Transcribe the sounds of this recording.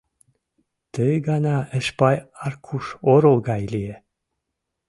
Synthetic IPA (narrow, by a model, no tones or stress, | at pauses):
t̪əjɡɑnɑə̆ʃpɑjɑrkʰuʃoɾolˠɡɑjlie